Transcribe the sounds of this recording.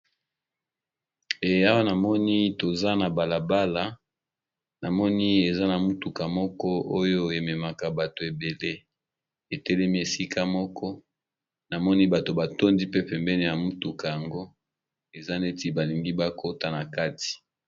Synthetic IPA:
e˨a˦wa˦na˨mɔ˦ni˦to˨za˦na˨ba˨la˨ba˦la˨ | na˨mɔ˦ni˦e˨za˦na˨mu˦tu˨ka˨mɔ˦kɔ˦o˦jo˦e˨mɛ˨ma˨ka˨ba˨to˨e˨be˨le˦ | e˨tɛ˦lɛ˦mi˦e˨si˦ka˦mɔ˦kɔ˦ | na˨mɔ˦ni˦ba˨to˨ba˨to˦ndi˦pe˦pɛ˨mbɛ˦ni˦˨ja˨mu˦tu˨ka˨ja˨ŋɡo˦ | e˨za˦ne˦ti˦ba˨li˨ŋɡi˦ba˦kʰo˦ta˨na˨ka˦ti̥˨

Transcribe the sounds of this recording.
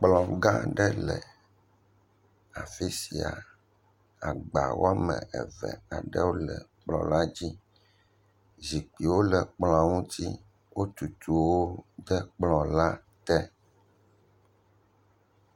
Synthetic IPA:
k͡plɔ̃˨ɡã˦ɖɛ˦lɛ˨ | a˨fi˦si˨a˨ | a˨ɡ͡ba̰˨wo̰˦a˦mɛ̰̃˨ʔɛ˨vɛ̰˨a˨ɖɛ˦wo˦lɛ˨k͡plɔ̰̃˨la˦d͡ʑi˦ | zi˨k͡pi˨wo˦lɛ˨k͡plɔ̃˨a˨ŋũ˦t̪i˦ | wo˦t̪u˨t̪u˨wo˦d̪ɛ˦k͡plɔ̃˨la˦ | t̪ɛ˦

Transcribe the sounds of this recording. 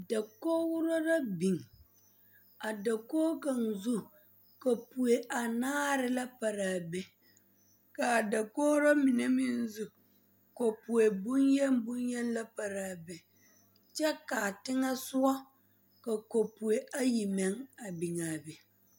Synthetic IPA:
da˨koː˦wʊ˦ɾo˦ɾa˦bi˨ŋ | a˨da˨koː˦ka˨ŋzu˦ | ka˨pu˨e˨ʔa˨naː˦ɾɪ˨la˦pa˨ɾaː˨bɛ˦ | ka˨da˨koː˦ɾɔ˦mɪ˨ne˦mɪ˦n˦zu˦ | ko˨pu˨e˨bʊ˦njɛ˦mbʊ˦njɛ˦n˦la˦pa˨ɾaː˨bɛ˨ | t͡ʃɛ˦kaː˨tɪ˦ŋa˦sʊ˦ɔ˦ | ka˨ko˨pu˨e˨ʔa˦ji˨mɛ˦ŋa˨bi˨ŋa˨bɛ˨

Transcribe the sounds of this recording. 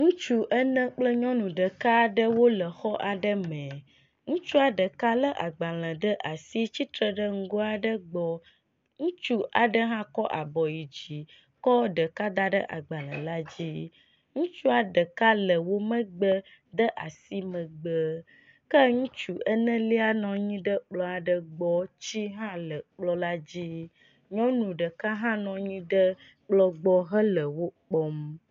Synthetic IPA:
ŋũ˦t͡ʃu˦ʔə˦nə̃˦k͡plə˦ɲɔ̃˦nũ˨ɖə˨ka˦ɖə˦wo˦lə˨xɔ˦ʔa˨ɖə˦mɛ̃˨ | ŋũ˦t͡ʃu˦a˨ɖə˨ka˦lə˦ʔa˨ɡ͡ba˨lə̃˨d̪ə˦ʔa˨si˦t͡ɕi˦t̪ɾə˨ɖə˦ŋ̩˦ɡo˦a˨ɖə˦ɡ͡bɔ˦ | ŋũ˦t͡ʃu˦ʔa˨ɖə˦ɦã˦kɔ˦ʔa̰˨bɔ˨ji˨d͡ʑi˨ | kɔ˦ɖə˨ka˦d̪a˦ɖə˦ʔa̰˨ɡ͡ba˨lə̰̃˨la˦d͡ʑi˦ | ŋũ˦t͡ʃu˦a˨ɖə˨ka˦lə˨wo˦mə̃˦ɡ͡bə˦ | d̪ə˦ʔa˨si˦mə̃˨ɡ͡bə˦ | kə˦ŋũ˦t͡ʃu˨ʔə˦nɛ̃˦li˦a˦nɔ̃˨ɲĩ˦ɖə˦k͡plɔ˦a˨ɖə˦ɡ͡bɔ˦t͡ɕi˦ɦã˦lə˨k͡plɔ˦la˦d͡ʑi˦ | ɲɔ̃˦nũ˨ɖə˨ka˦ɦã˦nɔ̃˨ɲĩ˦ɖə˦ | k͡plɔ˦ɡ͡bɔ˦ɦə˦lə˨wo˦k͡pɔ˦m

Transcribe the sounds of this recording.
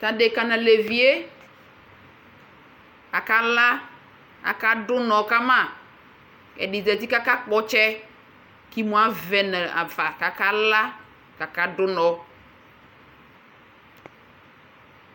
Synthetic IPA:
ta˨de˨ka˨nã˨le˨vi˨e˦ | a˨ka˦la˦ | a̰˨ka˦dʊ˦nɔ˨ka˦mã˦˨ | ɛ̰˨dɪ˨zɛ˨t̪i˦ka˦ka˦k͡pɔ˨t͡ʃɛ˦ | ki˦mũ˨˦a˦vɛ˨nɛ˨a̰˨va˨ka˨ka˦la˦ | ka˨ka˦dʊ˦nɔ˨

